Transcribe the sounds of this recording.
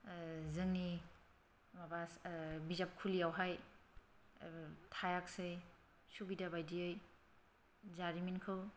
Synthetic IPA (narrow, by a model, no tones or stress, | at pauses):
zɯŋni | mabasbizap̚kʰulijawɦaj | tʰajak̚sej | subidabajdiɯj | zaɾiminkʰɯw